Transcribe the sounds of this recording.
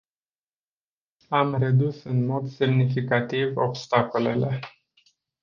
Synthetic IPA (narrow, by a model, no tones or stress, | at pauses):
amred̪usɨnmo̞d̪se̞mnifikat̪ivo̞bst̪ako̞le̞le̞